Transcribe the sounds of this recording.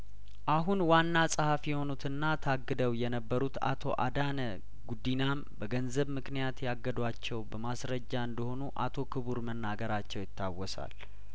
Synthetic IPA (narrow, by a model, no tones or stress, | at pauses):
ʔaɦunwanːasʼɨhafjɛho̞nut̪ɨnːat̪ʰaɡːɨd̪əwjɛnəbːəɾut̪a̰t̪ʰo̞ʔa̰d̪anə | ɡud̪ːinam | bəɡənzəβmɨknijat̪jaɡːəd̪wat͡ʃːɛwbəmasɾəd͡ʒːaɨnd̪əho̞nuʔa̰t̪ʰo̞kʰɨβuɾmənːaɡəɾat͡ʃːɛwjɪt̪ːawːɔsa̰l